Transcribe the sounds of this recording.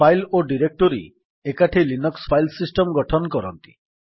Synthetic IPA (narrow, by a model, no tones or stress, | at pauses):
ajloɖiɾek̚ʈɔɾḭ | ekaʈʰelinɔkspʰajlsisʈɔmɡɔʈʰɔnɔkɔɾɔnt̪i̥̰